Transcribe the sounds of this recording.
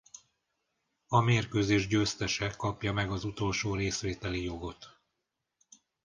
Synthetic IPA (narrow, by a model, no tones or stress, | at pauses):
ɒmeːrkøːzeːʒɟøːst̪ɛʃɛkɒpjɒmɛɡɒzut̪o̞lʃoːɾeːsʋeːt̪ɛlijo̞ɡo̞t̪